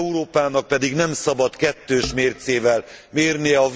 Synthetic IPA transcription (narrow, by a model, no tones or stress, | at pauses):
uɾoːpaːnɒk̚pɛd̪iɡnɛmsɒbɒt̪kɛt̪ːøːʃmeːrt̪seːvɛlmeːrniɛɒ